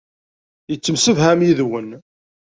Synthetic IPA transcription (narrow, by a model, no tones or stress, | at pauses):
jət͡sːəmsəvhæmjiðwən